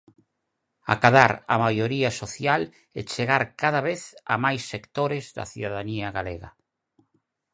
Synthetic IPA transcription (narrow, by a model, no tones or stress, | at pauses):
a̰kaðaɾa̰majoɾiasoθjal | et͡ʃeɣaɾkaðaβeθa̰majsːekt̪oɾezðɐ̰θiðaðaniaɣaleɣa̰